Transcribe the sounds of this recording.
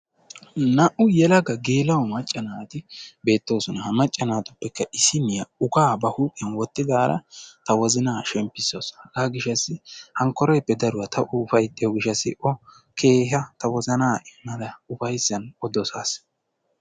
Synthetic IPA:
nɐʔʊjɛlɐɡɐɡeːlɐwɔmɐt͡ʃʼːɐnaːt̪ɪbe̞ːt̪ːo̞ːsɔnɐhɐmɐt͡ʃʼːɐnaːt̪ʊ̥pːɛkːɐʔɪsɪnːɪjɐʊkaːbɐhuːpʼɪɐnwɔt̪ːɪd̪aːɾɐ̰t̪ɐwɔzɪnaːʃɛmpːɪsːoːsɐʔaːɡɪʃɐsːɪhɐŋkːɔɾɔjpːɛd̪ɐɾʊwɐt̪ʰɐʔuːfɐjt̪ʼːɪjɔɡɪʃːɐsːɪ̰ʔɔ | kʰeːɦɐt̪ɐwɔzɐnaːɪmːɐd̪ɐʊfɐjsːɐnɔd̪ɔsaːs

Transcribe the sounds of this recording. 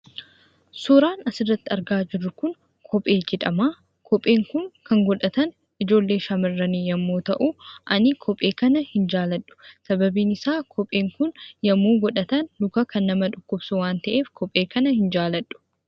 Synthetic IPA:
suɾaːnɐsɪrːɐt̪ːɪɐɾɡaːd͡ʒɪrːʊkʊŋ | kʰɔpʼe̞ːd͡ʒɛᶑ̪ɐmaː | kʰɔpʼːe̞ːŋkʊŋkɐŋɡɔᶑɐt̪ɐn | ʔɪd͡ʒo̞ːlːe̞ːʃɐmɐrːɐniːjɐmːoːt̪ɐʔuʔɐnɪkʰɔpʼːe̞ːkɐnɐhɪnd͡ʒaːlɐᶑːʊ̥sɐbɐbiːnɪsaːkʰɔpʼeːŋkʊnjɐmːuːɡɔᶑɐt̪ɐnd̪ʊkɐkɐnːɐmɐᶑʊkːʊbsʊwaːnt̪ɐʔe̞ːfkʰɔpʼːe̞ːkɐnɐhɪnd͡ʒaːlɐᶑːʊ̥

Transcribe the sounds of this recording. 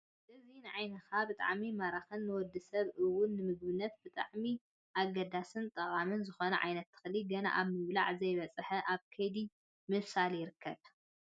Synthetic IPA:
ʔɨzinɨʕajnɐkʰabɨt̪ʼa̰ʕmimaɾaxɨnːɨwɔd̪ɨsɐβɨwːʊnːɨmɨɡ̚βɨnːɐt̪̚bɨt̪ʼa̰ʕmi | ʔaɡɐd̪asɨnt̪ʼɐqʼamɨnzɨxo̞nɐʕa̰jnɐt̪ʰːɨ̥xɨliɡɐna̰ʔaβmɨβla̰ʕzɐjβɐt͡sʼɨħɐʔaβkʰɐjd̪i | mɨβsaljɪɾɨkʰːɐβ

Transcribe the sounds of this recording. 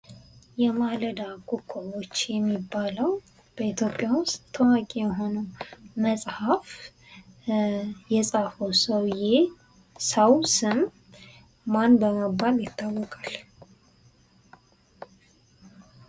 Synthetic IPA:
jɛmaləd̪akʼukʰːoot͡ʃːjɛmːibːaləw | b̥əit̪ʰjo̞pʼːjawʊst̪ʰːəwakʼijɛɦo̞nəməsʼhaf | jɛsʼafəwsəwje | səwsɨm | manbəməbːaljɪt̪ʰːawːɔkʼal

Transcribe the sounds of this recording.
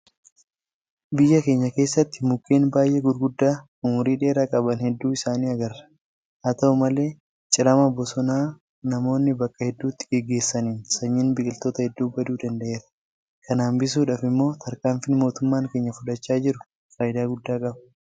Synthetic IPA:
bɪjːɐke̞ːɲːɐke̞ːsːɐt̪ːɪmʊkːeːnbaːjʔeɡʊɾɡʊd̪ːaː | ʊmʊɾiːᶑe̞ːɾaːkʼɐbɐnhɛd̪ːuːɪsaːniːɐɡɐrːɐ̥ | ʔɐt̪ɐʊmɐle̞ː | t͡ʃʼɪɾɐmɐbɔsɔnaː | nɐmo̞ːnːɪbɐkʼːɐhɛd̪ːuːt̪ːɪ̥ɡɛɡːe̞ːsːɐniːnsɐɲːɪnbɪkʼɪlt̪oːt̪ɐhɛd̪ːuːbɐd̪uːd̪ɐnd̪ɐʔe̞ːɾɐ̥ | kʰɐnaːmbɪs̬uːᶑaːfɪmːo̞ːt̪ʰɐɾkaːmfɪnmo̞ːt̪ʊmːaːŋke̞ːɲːɐfʊᶑɐt͡ʃːaːd͡ʒɪɾʊ̥ | faːjɪd̪aːɡʊd̪ːaːkʼɐbɐ̥

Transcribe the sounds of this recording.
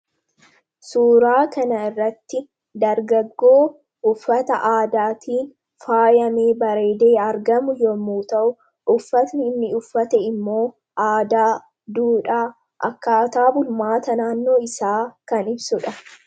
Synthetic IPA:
suːɾaːkɐnɐɪrːɐt̪ːɪ | d̪ɐɾɡɐɡːo̞ː | ʔʊfːɐt̪ɐʔaːd̪aːt̪ʰiːn | faːjɐme̞ːbɐɾe̞ːd̪eːɐɾɡɐmʊjɔmːuːt̪ɐʔʊ | ʊfːɐt̪nɪːnːɪʊfːɐt̪ɛɪmːo̞ː | ʔaːd̪aː | d̪uːᶑaː | ʔɐkːaːt̪aːbʊlmaːt̪ɐnaːnːo̞ːɪsaːkɐnɪbsʊᶑɐ

